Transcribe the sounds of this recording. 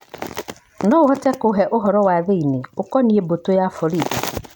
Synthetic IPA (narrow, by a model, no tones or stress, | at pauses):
nɔʊɦɔtɛkʊɦɛʔʊɦɔɾɔwaðeineʊkɔniebotojafɔɾide